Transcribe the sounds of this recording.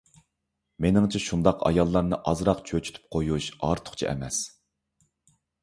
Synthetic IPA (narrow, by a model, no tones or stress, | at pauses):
menɪŋt͡ʃʰɛʃund̪ɑqɑ̰jɑlˠːɑɾnɨʔɑzɾɑqt͡ʃʰøt͡ʃʰy̥t̪ʰy̥p̚qʰojuʃɑɾt̪ʰʊ̥χt͡ʃʰiɛ̰mɛs